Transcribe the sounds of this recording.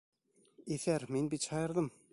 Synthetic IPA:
eθæɾmenbit̪ɕʰɑjɤ̆ɾd̪əm

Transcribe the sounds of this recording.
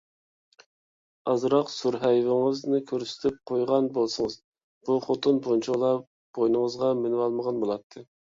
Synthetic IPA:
ɑzɾɑqsuɾɦɛjvɪŋɨznɪkʲʰøɾsɪ̥t̪ʰɪp̚qʰojʁɑnbolˠsɨŋəz | b̥uχot̪ʰɨnpʰont͡ʃʰuʁlˠɑ | b̥ojnɨŋəzʁɑmɪnwɑlˠməʁɑnbolˠɑt̪ʰːɨ

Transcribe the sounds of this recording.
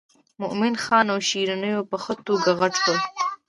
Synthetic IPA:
mʊʔmɪnxɑnawʃiɾanəjopəxət̪oɡaɣaʈkəl

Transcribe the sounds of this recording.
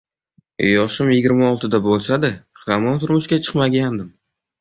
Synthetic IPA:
jɒʃɪmjɪɡʲɪɾmaɒlˠt̪ʰɪd̪abolˠʃad̪ɪχamɒnt̪ʰʊɾmʊʃkʲat͡ʃʰɨ̥qmaɡʲand̪ɪm

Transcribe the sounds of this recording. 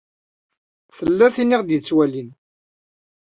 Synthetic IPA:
θəlːæθiniʁd̪jət͡sːwælin

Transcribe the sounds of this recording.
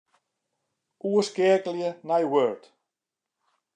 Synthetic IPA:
ʔuəskɪəkəljənajwøɹt

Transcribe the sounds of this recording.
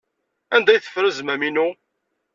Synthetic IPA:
ænd̪æjθə̥fɾəzmæminu

